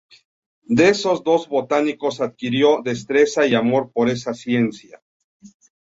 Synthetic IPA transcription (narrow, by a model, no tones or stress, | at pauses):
d̪eeso̞zd̪o̞zβo̞t̪aniko̞saðkiɾjo̞ðe̞st̪ɾe̞saiamo̞ɾpo̞ɾe̞sasje̞nsja̰